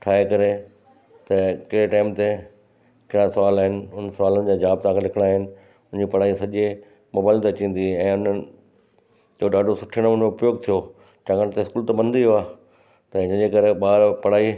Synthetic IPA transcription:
ʈʰaːekɐɾe | t̪ɐkɐeʈaːɪmt̪e | kɪɽ̃ãsɐʋaːlaːɦɪnɪ̆ʊnsɐʋaːlənɪ̆d͡ʑaːd͡ʑaːb̚t̪ãːkʰelɪkʰɽ̃aːɦɪnɪ̆ | ʊ̃nd͡ʑipɐɽ̤aːisɐʄe | mʊːbaːɪlt̪eɐt͡ɕĩːn̆d̪iɛ̃ːʊnənɪ̆ | d͡ʑoɗaːɖʱosʊʈʰəɽ̃oʊnmẽʊpjoːɡ̚t̪ʰijo | t͡ɕãːŋɡəɽ̃t̪eɪskuːlt̪ɐbɐ̃nd̪ioaː | t̪ɐɪɲə̃ɲd͡ʑekɐɾeɓaːɾpɐɽ̤aːi

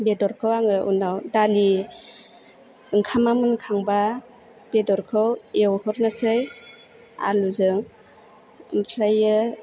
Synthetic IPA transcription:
bedɔɾkʰɯwaŋɯʔṵnawdali | ɯŋkʰamamɯnkʰaŋba | b̥edɔɾkʰɯwewhɔɾnɯsɯj | a̰luzɯŋ | ɯŋtʰɾajɯ

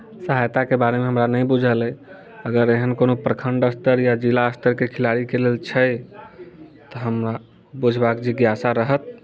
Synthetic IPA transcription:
səɦajt̪akebaɾemeɦəmɾanəjbud͡ʒʱəlɛ | əɡəɾeɦənkonopɾəkʰəɳɖəst̪əɾjad͡ʒilaəst̪əɾkekʰilaɾikelelt͡ʃʰə | t̪ɔɦəmɾa | bud͡ʒʱbakd͡ʒeɡjasaɾəɦət̪̚

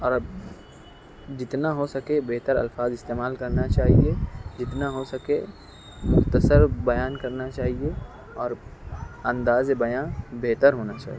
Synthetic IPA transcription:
ɔːɾɐb | d͡ʒɪt̪naɦosɐkebeɦt̪əɾɐ̰lfaːzɪst̪eːmaːlkɐɾnat͡ʃaːɦied͡ʒɪt̪naɦosɐke | mʊxt̪əsəɾbɐjaːnkɐɾnat͡ʃaːɦie | ɔːɾ | ɐ̃nd̪aːzebɐjaːbeɦt̪əɾɦoːnat͡ʃa̰ːɦie

